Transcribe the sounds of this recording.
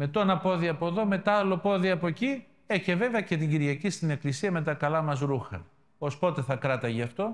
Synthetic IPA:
me̞t̪onɐpo̞ðiɐpo̞ðo̞me̞t̪ɐlo̞po̞ðiɐpo̞ci | eçeve̞veɐce̞t̪̬iɟiɾʝɐcist̪ine̞klisiɐme̞t̪ɐkɐlɐmɐzɾuxɐ̰ | o̞spo̞t̪e̞θɐkɾɐt̪ɐʝeɐft̪o̞

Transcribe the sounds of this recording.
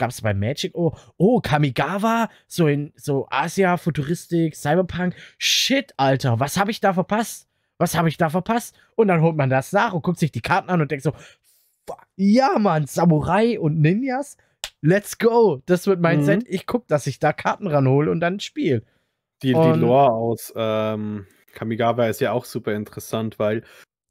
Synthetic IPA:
ɡ̥aːpsb̥aɪmːɛːd͡ʒɪkʔoːʔoːkʰamiɡaːva | z̥oːɪnz̥oːʔa̰ːziafotuʁɪstɪksaɪbɐpʰaŋkʃɪtʔaltɐvashaːbəɪçd̥aːfɛɐpʰast | vashaːbəɪçd̥aːfɛɐpʰast | ʔʊntd̥anɦoːlt̚mandasnaːχʊnt̚kʰʊktz̥ɪçd̥iːkʰaɐtn̩anʊntd̥ɛŋ̚tz̥oː | f | jaːmanz̥amuʁaɪʔʊntnɪnjas | lɛtsɡ̥oʊd̥asv̥ɪɐt̚maɪnsɛtʔɪçkʰʊk̚d̥asɪçd̥aːkʰaɐtn̩ʁanhoːləʊnt̚d̥anʃpiːl | d̥iːʊiːnoɐaʊsʔɛːm | kʰamiɡaːvaɪstjaːaʊxz̥uːpɐɪntəʁɛsantv̥aɪl

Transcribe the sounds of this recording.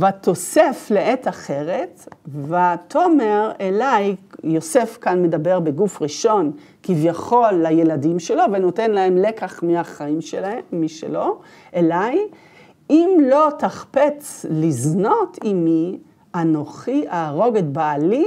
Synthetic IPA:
vatʰo̞sefleʔet̪aχe̞ʁe̞tvatʰomeʁelajːo̞se̞fkanme̞dabe̞ʁbeɡufʁiʃo̞n | kivjaχo̞lːaje̞ladimʃe̞lo̞veno̞te̞nlaemlekaχmiaχaimʃemːiʃḛlo̞ | ʔelaj | imlo̞t̪aχpet͡slizno̞tʰimi | anoχiaːʁo̞ɡetbaːli

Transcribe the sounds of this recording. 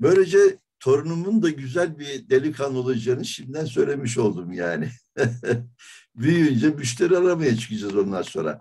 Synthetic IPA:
bø̞jlʲe̞d͡ʒɛ | t̪ʰo̞ɾunumund̪aɟyzælʲbid̪elʲikʰand̪olˠad͡ʒaːnɯʃimd̪æns̬ø̞jlʲe̞miʃ̬o̞lˠd̪umja̰ːnɪ | byjynd͡ʒɛmyʃlʲeɾiaɾamajat͡ʃʰɯ̥kʰɯd͡ʒazo̞nd̪aɾso̞̰ɾa̰

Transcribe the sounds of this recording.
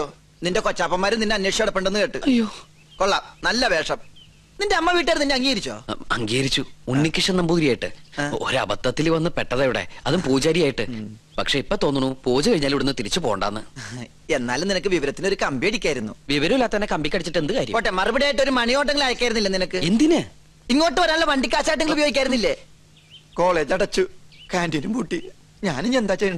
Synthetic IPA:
jo | ninde̞kot͡ɕːaːpːɐmːaːɾumninːɨɐnweːʂjɐɽɐpːeɳɖenːɨkeːʈːɨ̰ɐjoː | koɭːɐmnɐlːɐbeːʂɐm | nindeɐmːɐʋiːʈ̬ːaːɾnːindeɐŋːiːɣɐɾit͡ɕːo̰ːɐŋɡiːɣɐɾit͡ɕːuunːikʲːiʂɐnːɐmbuðiɾijaːjiʈːɨo̰ɾɨɐ̰bɐt̪ːɐt̪ːilʋɐnːɨpeʈːɐðejiɽḛɐðumpuːd͡ʑaːɾijaːjiʈːɨ | pɐkʂe̞ːipːo̞ːt̪oːnːunːupoːd͡ʑɨkɐɻiɲːaːliʋiɽunːɨt̪iɾit͡ɕːɨpo̞ːɣɐɳɖa̰ːnːɨ | e̞nːaːlumninɐkːɨʋiʋɐɾɐt̪ːino̞ɾukɐmbieɽikʲːaːjiɾunːuʋiʋɐɾɐmilːaːt̪ːɐnːekɐmbikʲːɐɽit͡ɕːiʈːe̞nd̪ɨkaːɾijmpoʈːemɐribiɽejaːjiʈ̬ːo̞ɾumɐɳijoːʈːɐŋːɐɭaːjɐkʲːaːjɾunːilːɐninɐkːɨend̪inɨ | iŋːo̞ːʈːɨʋɐɾaːnulːɐʋɐɳɖikʲːaːɕaːjʈɐŋːɐɭubɐjoːɡikʲːaːjɾunːilːe | ko̞ːɭe̞ːd͡ʑɐɽɐt͡ɕːukaːndinumpuːʈːi | ɲaːniɲːend̪aːt͡ɕejɐɳɖɨ

